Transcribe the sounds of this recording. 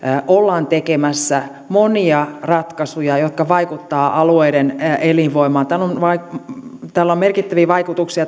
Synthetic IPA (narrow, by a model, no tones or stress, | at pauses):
ʔolːɑːnt̪ekemæsːæ | moniɑrɑt̪kɑsujɑjot̪̚kɑʋɑikut̪ːɑːʔɑlueideneliʋʋoimɑːnt̪æːlːonʋɑit̪ælːommerkit̪ːæʋiːʋɑikut̪uksiɑ